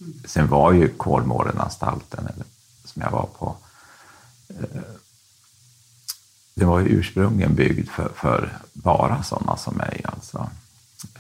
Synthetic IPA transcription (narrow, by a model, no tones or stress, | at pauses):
sɛnvaɾjɵkʰoːlmoːɾənast̪ʰalt̪ʰənɛl | sɔmjɑɡvaɾpʰɔ | d̪ɛvajʔʉ̟ːʂpɾɵŋlɪənbʏɡd̪fœfœɾbɑːɾasɔnːasɔmːɛjalt̪sɔ